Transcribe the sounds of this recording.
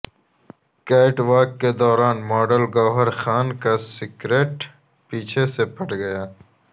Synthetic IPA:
kaːɪʈwaːkːed̪ɔːɾaːnmɔːɖəlɡɔːɦɐɾxaːnkasɪkɾeːʈ | piːt͡ʃʰesepʰɐʈɡɐjaː

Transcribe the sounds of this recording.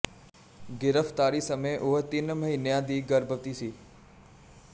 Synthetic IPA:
ɡɪɾəft̪aːɾiːsəmeʔʊɦət̪inməɦinjãːd̪iːɡəɾbəʋt̪iːsiː

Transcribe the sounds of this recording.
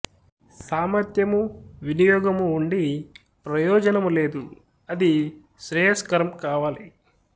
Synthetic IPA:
saːmɐɾt̪jɐmuʋinijɔːɡɐmuːɳɖi | pɾɐjɔːd͡ʒɐnɐmule̞ːd̪u | ɐd̪i | ʃɾeːjɐskɐɾɐmkaːʋaːli

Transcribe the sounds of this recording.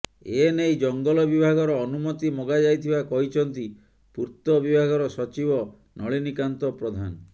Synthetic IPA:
enejd͡ʒɔŋɡɔlɔbibʱaɡɔɾɔːnumɔt̪imɔɡad͡ʒajt̪ʰibakɔɦit͡ʃʰɔnt̪i | puɾt̪ɔbibʱaɡɔɾɔsɔt͡ʃibɔ | nɔɭinikant̪ɔpɾɔd̪ʱanɔ

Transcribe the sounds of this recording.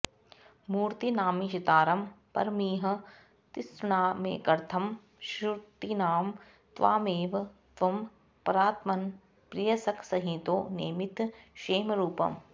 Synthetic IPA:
muːɾt̪inaːmiʃɐt̪aːɾɐmpɐ̰ɾmiːɦɐ̆ | t̪ɪsɳaːmḛːkɐɾt̪ʰɐm | ʃut̪inaːm | t̪ʋa̰ːmeːʋt̪ʋɐm | pɐɾaːt̪mɐn | pɾijɐsɐkʰsɐɦĩt̪oːnḛːmit̪ʃeːmɾuːpɐ̰m

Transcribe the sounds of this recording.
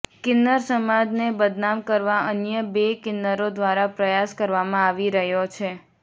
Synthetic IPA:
kɪnːəɾsəmad͡ʒnebəd̪namkəɾʋaʔənjəbekɪnːəɾod̪ʋaɾapɾəjaskəɾʋamãaʋiɾəɦjot͡ʃʰe

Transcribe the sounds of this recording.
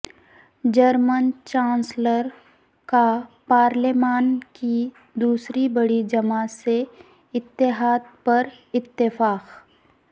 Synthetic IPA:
d͡ʒəɾmənt͡ʃãːnsləɾ | kapaːɾlemaːnki | d̪uːsɾibəɽid͡ʒɐmase | ɪt̪ːɪɦaːd̪pɐɾ | ɪt̪ːɪfaːq

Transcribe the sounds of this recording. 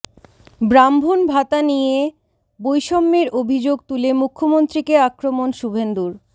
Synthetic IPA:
bɾambʱonbʱat̪anie | bojʃɔmːeɾobʱid͡ʑoɡ̚t̪ulemukʰːomont̪ɾikeakɾomonʃubʱend̪uɾ

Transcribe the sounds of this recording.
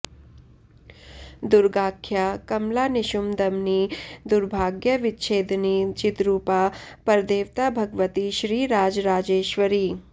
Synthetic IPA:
d̪ʊɾɡaːkʰːjaːkɐmlaːnɪʃʊmd̪ɐmnid̪ʊɾbʱaːɡjəʋɪtːʃʰeːd̪nit͡ʃɪt̪ɾuːpapɐɾd̪eːʋt̪abʱɐɡʋət̪iʃɾiːɾaːd͡ʒɾaːd͡ʒeːʃʋəɾiː

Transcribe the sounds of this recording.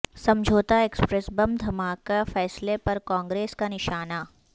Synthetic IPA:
sɐ̃md͡ʒʱoːt̪aeːkspɾɛsbɐmd̪ʱɐmaːkafɛːslepɐɾkãːŋɡɾeːskanɪʃaːna

